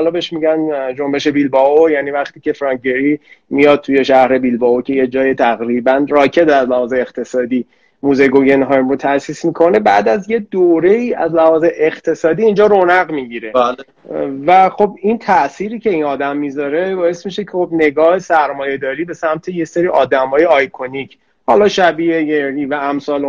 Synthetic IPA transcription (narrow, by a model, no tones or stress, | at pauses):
hɒːlɒbeʃmiɟænd͡ʒo̞mbe̞ʃe̞bilbɒojæːniːvæχt̪iːcʰe̞fɾɒŋeɾimijɒd̪̥̚t̪ʰuje̞ʃæhɾe̞bilbɒocʰe̞jed͡ʒɒːjet̪ʰæɣɾiːbænrɒːcʰe̞t̪æzlæhɒːzeːqt̪ʰe̞sɒːd̪iː | muːzeɡoɡenɦɒjmɾot̪ʰæsiːsmiːkʰo̞ne̞bæːd̪æzje̞d̪oːɾe̞iːæ̰zlæhɒːzeʔeχt̪ʰe̞sɒːd̪iːnd͡ʒɒːɾonæɣmiɟiɾe̞al | væxo̞bint̪ʰæʔsiːɾiːcʰe̞iːnɒːd̪æmːizɒːɾe̞bɒːe̞smiʃecʰexo̞bne̞ɡɒːhe̞sæɾmɒːje̞d̪ɒːɾiːbe̞sæmt̪ʰejese̞ɾiːʔɒːd̪æmhɒːjeɒjkʰonicʰ | hɒːlɒːʃæbiːejeɾɾiːvææmsɒːl